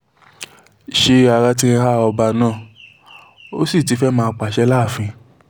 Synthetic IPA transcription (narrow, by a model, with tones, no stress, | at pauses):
ʃe˧a˨ɾa˧t̬i˧ɾ̃ĩ˧ɦa˦˨ɔ˧ba˧nãː˦˨ | o˦si˦˨t̬i˨˦fɛ˦mãː˦˧˦k͡pa˨ʃɛ˧˦la˦˨fĩ˧